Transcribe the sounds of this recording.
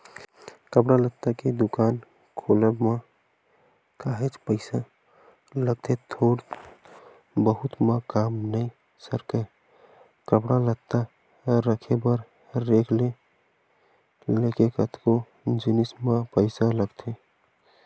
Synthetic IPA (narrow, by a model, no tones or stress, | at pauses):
kəpɽalət̪ːaked̪ukaːn | kʰoləbmã | kaɦet͡ʃpəɪsa | ləɡ̚t̪ʰet̪ʰoɽ | bəɦʊt̪makaːmnəi | səɾkə | kəpɽalət̪ːa | ɾəkʰebəɾ | ɾekʰle | lekekət̪ko | d͡ʒinismãpəɪsaləɡt̪ʰe